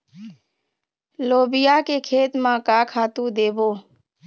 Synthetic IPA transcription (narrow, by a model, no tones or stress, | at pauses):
loːbɪjaːkekʰeːt̪mãːkaːkʰaːt̪ũd̪eːboː